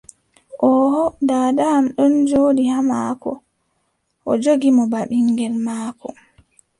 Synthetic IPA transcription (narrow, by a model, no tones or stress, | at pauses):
ʔɔhɔdaːdaamɗɔnd͡ʒoːɗihamaːkɔ̰ | ʔɔd͡ʒoɡimɔbaɓiŋɡɛlmaːkɔ